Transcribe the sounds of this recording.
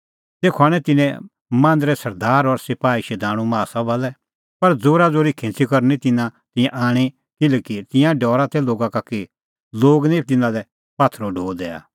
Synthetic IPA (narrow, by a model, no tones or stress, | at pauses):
t̪eːkʰʊaːɽ̃ɛt̪ɪnɛ̃ | mãːnd̪ɾɛsɐɾd̪aːɾɔɾsɪpaːiʃɛd̪ãːɽ̃ũmaːsabɐlɛ | pɐɾd͡zoːɾad͡zoːɾikʰɪ̃nt͡sikɐɾnit̪ɪnãt̪ɪ̃jãʔaːɽ̃i | kɪlɛkit̪ɪ̃jãɖɔːɾat̪ʰɛloːɡãkaki | loːɡnit̪ɪnãlɛ | paːt̪ʰɾoɖʱoːd̪ɛːa̰ː